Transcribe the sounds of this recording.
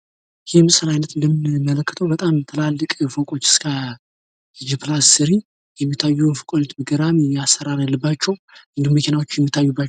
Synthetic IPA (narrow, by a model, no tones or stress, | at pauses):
jemɨsʼɨlajnət̪ɨnd̪əmːinmːələkːə̥t̪ʰəwbət̪ʼamt̪ʰɨlalːɨkʼfokʼo̞t͡ʃːɪ̥skʰə | d͡ʒiplasːɨɾi | jɛmːit̪ʰːajːufɨkʼoɲɛt̪bɨɡəɾamasːəɾaɾalːɨbːat͡ʃːɛwʔɨnd̪ihumːəkʰe̞nawot͡ʃːjɛmːit̪ʰːajːubːa